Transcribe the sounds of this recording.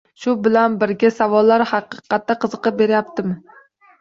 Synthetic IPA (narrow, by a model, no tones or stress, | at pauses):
ʃʊbɪlanbɪɾɡʲasavɒlˠːaɾhɑqɨqʰɑt̪ːaqʰɨzɨqɨp̚be̞ɾɪjap̚t̪ʰɪmɪ